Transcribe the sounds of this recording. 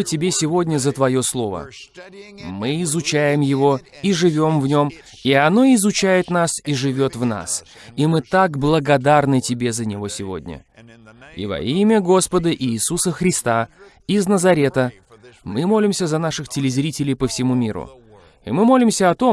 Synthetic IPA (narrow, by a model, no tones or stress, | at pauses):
ɨtʲɪbʲesʲɪvo̞dʲnʲəzət̪vɐjo̞slˠo̞və̰ | mɨɪzʊt͡ɕæjɪmjɪvo̞ | iʐɨvʲo̞mvnʲo̞m | iɐno̞ɪzʊt͡ɕæjɪt̪n̪asiʐɨvʲo̞t̪vna̰s | imɨt̪aɡblˠəɡɐd̪arnɨtʲɪbʲe̞zənʲɪvo̞sʲɪvo̞̰dʲnʲə̰ | ḭvɐ̰imʲəɡo̞spəd̪əʔiːsusəxɾʲɪst̪a | ɪznəzɐɾʲe̞t̪ə | mɨmo̞lʲɪmsʲəzɐnaʂɨxtʲɪlʲɪzʲɾʲitʲɪlʲɪjpəfsʲɪmumʲḭɾʊ̰ | ḭmɨmo̞lʲɪmsʲəɐt̪o